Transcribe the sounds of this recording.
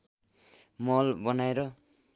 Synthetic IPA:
mʌlbʌnaeɾʌ

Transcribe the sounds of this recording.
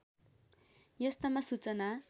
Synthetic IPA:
jʌst̪ʌmasut͡sʌna

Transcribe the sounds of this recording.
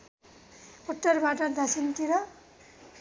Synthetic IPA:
oʈːʌrbaʈʌd̪asint̪iɾʌ

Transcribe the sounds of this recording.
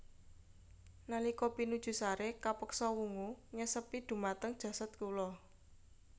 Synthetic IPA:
nalikɔpinud̥ʒ̥ṳsaɾekapəksɔwuŋuɲəsəpid̪̥ṳmat̪əŋd̥ʒ̥ä̤sat̪kulɔ

